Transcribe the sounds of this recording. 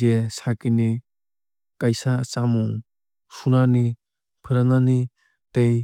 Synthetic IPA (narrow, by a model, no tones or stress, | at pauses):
esakini | kajsat͡ʃamuŋ | sunani | pʰɯɾanani | tej